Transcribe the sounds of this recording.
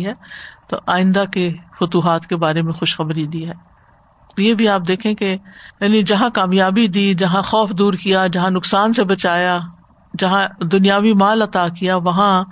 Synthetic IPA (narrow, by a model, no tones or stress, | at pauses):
ɦɛːt̪o̰ːʔaːɪ̃nd̪akefʊt̪uːɦaːt̪kebaːɾemẽxʊʃxɐbɾid̪iɦɛː | jeːbʱiaːp̚d̪eːkʰẽkejaːnid͡ʒɐɦãkaːmjaːbid̪iːd͡ʒɐɦãxɔːfd̪uːɾkijad͡ʒɐɦãnʊksaːnsebɐt͡ʃaːja | d͡ʒɐɦãd̪ʊnijaːʋimaːlɐt̪aːkijaʋɐɦã